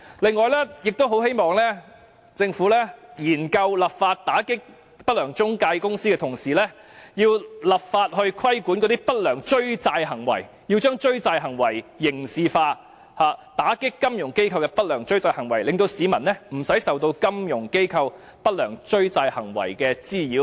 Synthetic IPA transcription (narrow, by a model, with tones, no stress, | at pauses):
lɪ˨ŋːɔː˨˩jlɛː˥jɪ˨k̚t̪o˥wɦo˨˥whe˥jmɔː˨˩ŋlɛː˥ | t͡sɪ˧ŋfuː˨˥lɛː˥jiː˨˩nkɐ˧wlɐ˨p̚faː˧t̚t̪aː˨˥kɪ˥k̚ | pɐ˥t̚lœː˨˩ŋt͡ʃʊ˥ŋkaː˧jkʊ˥ŋsiː˥kɛː˧t̪ʰʊ˨˩ŋsiː˨˩lɛː˥ | jiː˧wlɐ˨p̚faː˧t̚hɵ˧ɥkʰwɐ˥jkuː˨˥nkɔ˨˧t̪i˥pɐ˥t̚lœː˨˩ŋt͡ʃɵ˥ɥt͡saː˧jɦɐ˨˩ŋwɐ̰˨˩j | jiː˧wt͡ʃœː˥ŋt͡ʃɵ˥ɥt͡saː˧jɦɐ˨˩ŋwɐ˨˩jːɪ˨˩ŋsiː˨˧faː˧ | haː˨˧t̪aː˨˥kɪ˥kːɐ˥mjʊ˨˩ŋke˥jkʰɐ˧wkɛ˧pɐ˥t̚lœː˨˩ŋt͡ʃɵ˥ɥt͡saː˧jhɐ˨˩ŋwɐ˨˩jlɪ˨ŋt̪o˧wsiː˨˥mɐ˨˩nɛ˥m̩˨˩sɐ˨˥jsɐ˨wt̪o˧wkɐ˥mjʊ˨˩ŋke˥jkʰɐ˧w | pɐ˥t̚lœː˨˩ŋt͡ʃɵ˥ɥt͡saː˧jhɐ˨˩ŋwɐ̰˨˩jkɛː˧t͡siː˥jiː˨˥w